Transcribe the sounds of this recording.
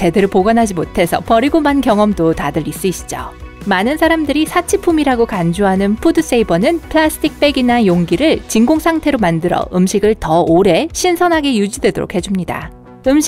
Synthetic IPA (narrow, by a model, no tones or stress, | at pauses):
t͡ɕe̞deɾɯɭpoɡʌnɦad͡ʑimotʰe̞sʰʌpʌɾiɡomankjʌŋʌmdotadɯɾis͈ɯiɕ͈ʰi̥d͡ʑo̰manɯnsʰaɾamdɯɾisʰat͡ɕʰipʰumiɾaɡokand͡ʑuɦanɯnpʰudɯs͈eibʌnɯnpʰɯɭasʰɯ̥tʰik̚p͈e̞ɡinajoŋɡiɾɯɭt͡ɕiŋɡoŋsʰaŋtʰe̞ɾomandɯɾʌ̰ɯmɕʰiɡɯɭtʌoɾe̞ɕʰinsʰʌnɦaɡe̞jud͡ʑidwe̞doɾo̰kʰe̞d͡ʑumɲida̰ | ɯmɕ